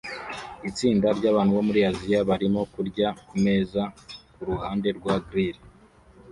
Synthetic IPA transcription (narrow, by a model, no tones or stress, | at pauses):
it͡siːndaɾɟaːβaːnhuβo̞muɾiazijaβaɾimo̞kuɾɟakume̞ːzakuɾuhaːnde̞ɾɡwaɡɾiɾi